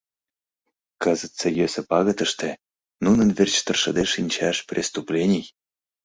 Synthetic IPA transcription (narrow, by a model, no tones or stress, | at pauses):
kɤzət̪t͡sɤ̆jøsĕpɑɣət̪ə̆ʃt̪e | nunə̆nverʲt͡ɕt̪ɤ̆rʃɤ̆d̪eʃinʲt͡ɕæʃprʲʔest̪uplʲenʲij